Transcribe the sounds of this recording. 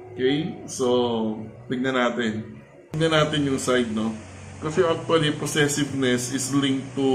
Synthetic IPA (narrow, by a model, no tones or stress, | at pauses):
ʔokɛjsot̪ɪɡ̚nɐnaːt̪ɪn | ɡ̚nɐnaːt̪ɪnjʊŋsajd̪̚no̞ | kɐsɛʔak̚t̪uwɐliposɛsɪvnɛsɪslĩŋk̚t̪u